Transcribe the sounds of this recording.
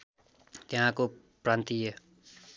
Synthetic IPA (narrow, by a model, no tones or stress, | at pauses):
t̪ɪɦãːkoː | pɾãːnt̪ijeː